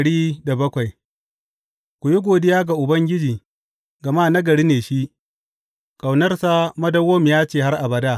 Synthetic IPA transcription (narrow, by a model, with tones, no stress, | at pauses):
ɽiː˦da˨bɐ˦kʷa˨j | kʷʊ˨ji˦ɡʷoː˨dɪ˦jaː˦ɡa˨ʔʊ˨bɐ˦ŋɡʲɪ˦d͡ʒiː˨ | ɡɐ˨maː˦nɐ˦ɡɐ˨ɽiː˦neː˨ʃi˦ | kʼa˨wnɐ˦rsa˦mɐ˦dɐ˦woː˦m˨jaː˦t͡ʃeː˨ha˦rʔa˨bɐ˨daː˦